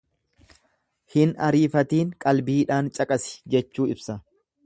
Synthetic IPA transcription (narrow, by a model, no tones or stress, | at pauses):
hɪnɐɾiːfɐt̪iːŋkʼɐlbiːᶑaːnt͡ʃʼɐkʼɐsɪ̥d͡ʒɛt͡ʃːuːɪbsɐ